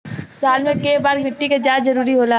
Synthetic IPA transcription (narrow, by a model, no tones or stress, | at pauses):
saːlmẽkeːbaːɾɡʱɪ̃ʈːikad͡ʒaːd͡ʒzɐɾuːɾiɦoːla